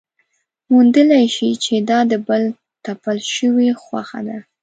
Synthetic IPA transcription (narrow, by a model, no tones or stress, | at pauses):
mund̪əlajʃit͡ʃed̪ɑd̪əbəl | t̪apalʃəwexwaxa̰d̪a